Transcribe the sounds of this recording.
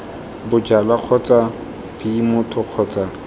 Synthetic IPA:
bʊd͡ʒalaq͡χʰɔt͡sʼa | pʰiimʊtʰʊq͡χʰɔt͡sʼa

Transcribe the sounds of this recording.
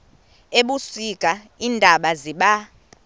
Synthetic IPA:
eɓusikʼa | iːndʱaɓaziɓa

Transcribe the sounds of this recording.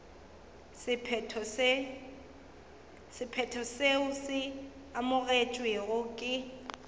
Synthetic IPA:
sɪpʰs | sɪpʰɛtʰɔseʊsɪ | amʊɣet͡ʃʼweɣʊkʼɪ

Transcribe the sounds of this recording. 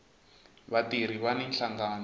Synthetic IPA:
βatiɾ̤iβaninɬaŋɡaːn

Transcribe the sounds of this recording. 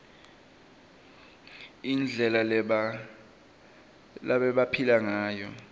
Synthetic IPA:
ind͡ɮʱɛla | laɓɛɓapʰilaŋaːjɔ

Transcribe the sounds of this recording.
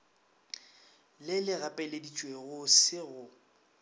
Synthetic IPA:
lɪlɪɣapʼɛledit͡ʃʼweɣʊsɪɣʊ

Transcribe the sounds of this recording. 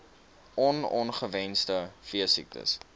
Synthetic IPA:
ɔnɔnχəvɛnstəfiəsik̚tə̰s

